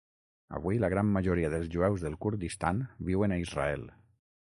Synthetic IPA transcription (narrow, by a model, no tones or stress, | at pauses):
ə̰βuiləɣɾamːəʒuɾiaðəlˠzʒuɛwzðelˠkuɾd̪ist̪anbiwənaizra̰ɛ̰lˠ